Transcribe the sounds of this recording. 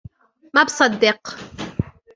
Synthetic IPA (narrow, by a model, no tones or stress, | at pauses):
mæbsˤɑd̪ːɪq